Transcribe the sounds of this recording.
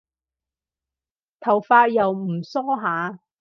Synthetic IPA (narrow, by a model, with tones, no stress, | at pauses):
t̪ʰɐ˨˩wfaː˧˥t̚jɐ˨wm̩˨˩sɔː˥ɦaː˨˥